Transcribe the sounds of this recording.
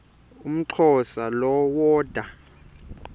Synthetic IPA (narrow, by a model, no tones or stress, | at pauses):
um̩ǀʰɔsalɔwɔːd̥ʱa